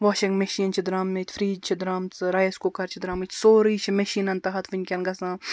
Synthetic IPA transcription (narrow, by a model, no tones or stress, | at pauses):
ʋɔːʃiŋɡmeʃiːnʲt͡ʃʰid̪ɾaːmet̪ʲfɾiːd͡ʒt͡ʃʰid̪ɾaːmt͡sɨɾɐjɐskokɐɾt͡ʃʰid̪ɾaːmit͡ʃ̪ʲʰsoːɾɨjt͡ʃʰimeʃiːnɐnt̪ɐɦɐt̪ʰʋɨnʲkʲɐnɡɐsãː